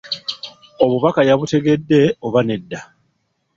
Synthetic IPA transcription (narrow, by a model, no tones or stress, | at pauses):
o̞βuβakajaβute̞ɡe̞dːe̞o̞βane̞dːa